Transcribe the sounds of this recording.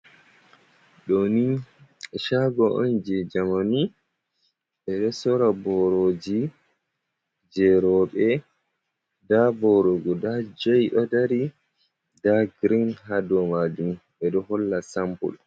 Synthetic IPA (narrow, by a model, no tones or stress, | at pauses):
ɗɔni | ʃaɡɔʔɔ̰nd͡ʒɛd͡ʒamani | ɓɛɗɔsɔɾabɔɾod͡ʒi | d͡ʒɛɾɔɓɛ | dabɔɾɔɡɔdad͡ʒojɗɔdaɾi | daɡɾinɦadɔmad͡ʒumɓɛɗɔɦɔlːasampṵl